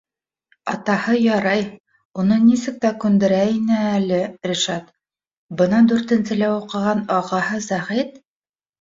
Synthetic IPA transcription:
ɑ̰t̪ɑhɤjɑɾɑj | unɤnisɘk̚t̪ækʉnd̪ɘ̆ɾæinɘælɘɾiʃɑt̪ | bɤ̆nɑd̪ʉɾt̪ɘ̆nsɘ̆læuqɤ̆ʁɑnɑʁɑhɤzæχit̪

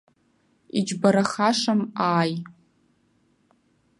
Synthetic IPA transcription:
id͡ʒbaɾaχaʂamaːj

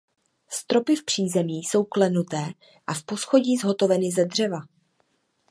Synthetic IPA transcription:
st̪ɾo̞pɪfpr̥iːzɛmiːso̞wklɛnut̪ɛː | ʔafpo̞sxo̞ɟiːzɦo̞t̪o̞vɛnɪzɛdr̝ɛva

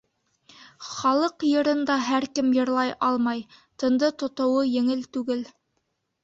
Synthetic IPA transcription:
χɑlˠɤqjɤ̆ɾɤ̆nd̪ɑɦæɾkɘmjɤ̆ɾlˠɑjʔɑlˠmɑjt̪ɤ̆nd̪ɤt̪ŏt̪ŏwɤjɘ̆ŋɘlt̪ʉɡɘl

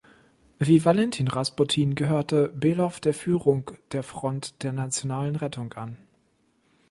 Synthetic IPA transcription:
viːvalɛntʰiːnʁaspotʰiːnɡəɦøːɐtəbeːlɔfd̥eːɐfyːʁʊŋd̥eːɐfʁ̥ɔntd̥eːɐnat͡sjonaːlənʁɛtʰʊŋʔan

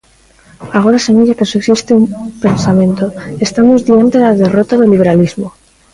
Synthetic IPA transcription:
aɣ̞o̞ɾaseɲaʎakeseksist̪eumpe̞nsamẽ̞nt̪oest̪amozðiant̪elaðe̞rot̪aðeliβ̞e̞ɾalizmo

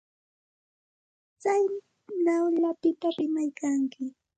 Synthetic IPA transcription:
t͡saj | nawʎapɪt̪aɾɪmajkaŋkɪ

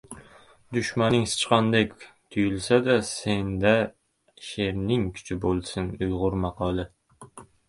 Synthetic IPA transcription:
d̪ʊʃmanɪŋsɪ̥t͡ʃqɑnd̪ekʲt̪ʰʊjɪlˠsad̪asend̪æ | ʃeɾnɪŋkʲʰy̥t͡ʃʰɪbolˠsɪnʊjʁʊɾmɑqʰɑlˠɪ

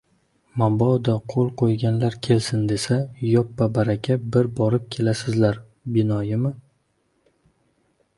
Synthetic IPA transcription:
mabɒd̪aqʰolˠqʰojɡʲanlaɾkʲʰe̞lsɪnd̪e̞sajɒpːabaɾakʲʰabɪɾbɒɾɪp̚kʲʰe̞lasɪzlaɾ | bɪnɒjɪmɪ

